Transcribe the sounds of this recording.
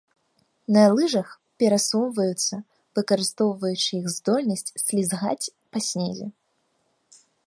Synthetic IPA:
nɐlˠɨʐɐx | pʲɛɾasɔwvɐjut̪sːɐ | vɨkɐɾɨst̪ɔwvɐjut͡ʂɨixzd̪ɔlʲnɐsʲt͡sʲslʲizɣa̰t͡sʲ | pɐsʲnʲɛzʲɛ̰

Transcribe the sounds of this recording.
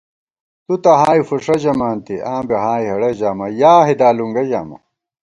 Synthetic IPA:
t̪ut̪ɐɦaːifuʂɐʑɐmaːnt̪iʔaːmbeɦaːjɦɐɽɐd͡ʑaːmɐjaːɦid̪aːluŋɡɐd͡ʑa̰ːmɐ̰

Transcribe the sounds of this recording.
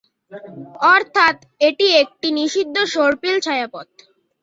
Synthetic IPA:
ɔɾt̪ʰat̪ | eʈiek̚ʈiniʃid̪ʱːoʃoɾpilt͡ɕʰajapɔt̪̚

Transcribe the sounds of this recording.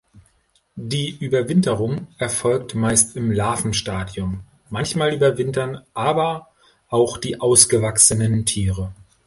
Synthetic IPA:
d̥iːʔyːbɐvɪntəʁʊŋʔɛɐfɔlktmaɪstɪmlaːfn̩ʃtaːdjʊmː | ançmaːlʔyːbɐvɪntɐnʔaːbɐ | ʔaʊxd̥iːʔaʊsɡ̥əvaksənəntʰiːʁə

